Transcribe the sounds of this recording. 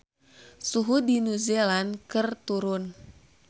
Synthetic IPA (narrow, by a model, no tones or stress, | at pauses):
suɦudinuzelankɨrt̪uɾʊn